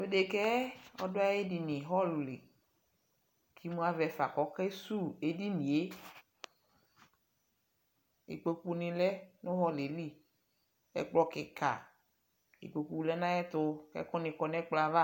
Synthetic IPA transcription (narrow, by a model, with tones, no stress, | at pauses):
e˦de˨kɛ˦ɔ̰˦dʊ˦a˦je˦di˨nĩ˨ɦɔ˦lʊ˨lḭ˨ | kʰi˦mũ˦a˦vɛ˨fa˨kɔ˦kɛ˦su˦e˦di˦nĩ˨e˦ | ḭ˨k͡pe˨ku˦nɪ̃˨lɛ˦nʊ̃˦ɦɔ˦le˨li˦ | ɛ̰˦k͡plɔ˦kɪ˨ka̰˨ | ḭ˨k͡pe˨ku˨lɛ˦nã˦jɛ˦t̪ʊ˦kɛ̰˦kɔ˦nɪ̃˨kɔ˨nɛ̃˦k͡pla˨va˦